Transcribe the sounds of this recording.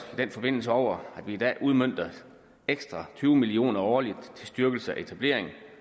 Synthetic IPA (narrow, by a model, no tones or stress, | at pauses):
id̥en̰fɒ̽b̥e̝n̰l̩səɒʊ̰ɐæd̥ʋiːd̥ɛ̰ːʔuð̞ˠmøn̰d̥ɐ | eɡ̥sd̥ʁɑ̈t͡sʰyːʊmilio̝̰ːnɐɒːlid̥t͡sʰe̝lsd̥yɐɡ̥l̩səæe̝t͡sʰæb̥le̝ɐ̰eŋ̩